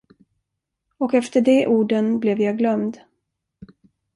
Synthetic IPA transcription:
ɔkɛft̪əɖɛʔuːɖənblɛvjɑːɡlœmd̪

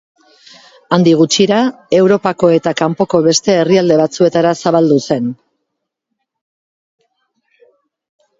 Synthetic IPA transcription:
and̪iɣ̞ut͡ʃiɾae̞wɾo̞pako̞e̞t̪akampo̞ko̞βe̞st̪e̞ːriald̪e̞βat͡sue̞t̪aɾasaβald̪use̞n

